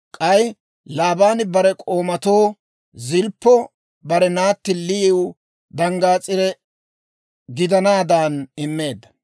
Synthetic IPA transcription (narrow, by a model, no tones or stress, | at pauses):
kʼɐj | laːbaːnɪbɐɾɛkʼo̞ːmɐt̪o̞ː | zɪlpːɔ | bɐɾɛnaːt̪ːɪlɪw | d̪ɐŋɡaːt͡sʼɪɾɛ | ɡɪd̪ɐnaːd̪aːnɪmːe̞ːd̪ːɐ